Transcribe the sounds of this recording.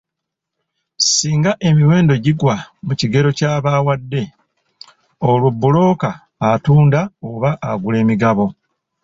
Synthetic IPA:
siːŋɡaʔe̞miwe̞ːndo̞ɟiɡwamuciɡe̞ɾo̞caːβaːwadːe̞ | olubːulo̞ːkaː | tuːndaoβaʔaɡule̞ːmiɡaβo̞

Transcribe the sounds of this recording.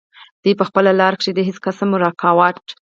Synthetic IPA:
d̪̥epəxpəlalɑɾkʂed̪əɦiskasamʊɾɑkʰɑwɑʈ

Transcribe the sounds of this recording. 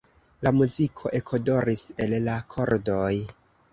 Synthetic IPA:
lamuzikʰo̞ʔe̞kʰodo̞ɾise̞lːakʰo̞ɾdo̞j

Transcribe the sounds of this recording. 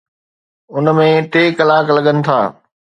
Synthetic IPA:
ʊnmẽt̪eːkɐlaːklɐɠənɪ̆t̪ʰa̰ː

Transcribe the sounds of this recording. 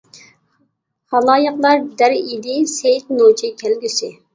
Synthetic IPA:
hɑlˠɑːjəqlˠɑɾd̪æɾid̪ɪsejt̪not͡ʃʰɪkʲʰælɡʲysɪ

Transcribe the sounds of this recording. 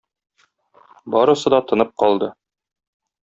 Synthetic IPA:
bɒɾɤ̆sɤ̆d̪ɑt̪ɤ̆nɤp̚qɒlˠd̪ɤ

